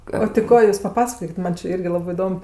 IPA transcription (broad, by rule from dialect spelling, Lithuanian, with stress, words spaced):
oː tʲɪ ˈkoː juːs pɐˈpɑːsɐkoːkʲɪt ˈmɐn t͡ʃʲeː ˈɪrʲɡʲɪ ˈlˠɑːbɜ ɪˈdoːm